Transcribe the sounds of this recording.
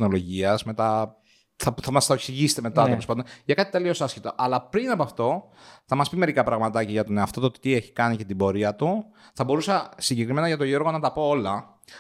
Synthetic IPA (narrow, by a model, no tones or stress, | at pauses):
no̞lo̞ʝiɐzme̞t̪ɐ | θɐθɐmɐst̪ɐoksiʝisi̥t̪eme̞t̪ɐelespond̪onʝɐkɐt̪i̥t̪e̞lio̞sɐscit̪oʔɐlɐpɾinɐpoɐft̪o̞ | θɐmɐspimeɾikɐpɾɐɣmɐt̪ɐciʝɐt̪oneɐft̪o̞t̪ot̪ieçi̥kɐnice̞t̪ibo̞ɾiɐt̪u | θɐbo̞ɾusɐsiɲɟekɾime̞nɐʝɐt̪o̞ʝo̞ɾɣo̞nɐt̪ɐpo̞olɐ